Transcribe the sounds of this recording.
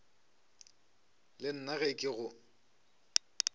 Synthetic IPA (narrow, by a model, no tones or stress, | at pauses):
lɪn̩naɣekʼɪɣʊ